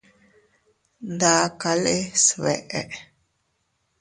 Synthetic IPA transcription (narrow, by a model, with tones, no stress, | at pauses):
nd̪a˧ka˧le˦sβe˨ʔe˨ʔ